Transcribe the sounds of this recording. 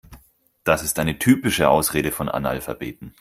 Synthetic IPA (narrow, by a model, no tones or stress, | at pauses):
d̥asɪstʔaɪnətʰyːpɪʃəʔa̰ʊsʁeːɾəfɔnʔa̰na̰lfabeːtn̩